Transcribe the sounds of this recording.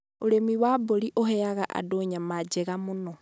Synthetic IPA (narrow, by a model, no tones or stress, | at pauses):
oɾemiwaboɾiʔoɦɛaɣaʔa̰doɲamad͡ʒeɣamonɔ